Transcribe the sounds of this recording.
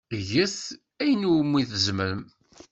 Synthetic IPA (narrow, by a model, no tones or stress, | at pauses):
ʝəθ | æjənumːiθəzməɾəm